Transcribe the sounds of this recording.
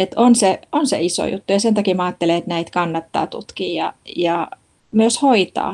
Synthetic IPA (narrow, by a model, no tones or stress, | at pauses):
et̪onseonsḛiso̰jṵt̪ːujɑsent̪ɑkimɑːt̪ːeleet̪næit̪kɑnːɑt̪ːɑ̰ːt̪ṵt̪kiːjɑjɑ | myøshoit̪ɑ̰ː